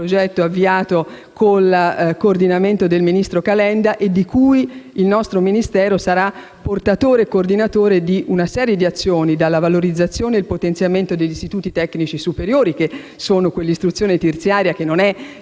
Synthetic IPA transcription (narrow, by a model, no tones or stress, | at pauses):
pɾod͡ʒɛt̪ːoavːiaːt̪o | kʰolakoːrd̪inament̪od̪elminist̪ɾokalɛnd̪aʔed̪ːikujilnɔst̪ɾominist̪ɛːɾosaɾa | pːort̪at̪oːɾekːoːrd̪inat̪oːɾed̪iʔunasɛːɾjed̪iat̪sːjoːnid̪alːavaloɾid̪zːat̪sːjoːneilpot̪ent̪sjament̪od̪eʎːist̪it̪uːt̪it̪ɛkːnit͡ʃisupeɾjoːɾik̟e | soːnokwelːist̪ɾut̪sːjoːnet̪ert̪sjaːɾjakenːonɛ